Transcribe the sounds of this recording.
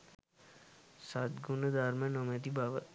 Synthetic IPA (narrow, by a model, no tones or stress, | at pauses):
saːt̪ɡunəd̪aːɾmẽnoːmẽːt̪ibaːʋə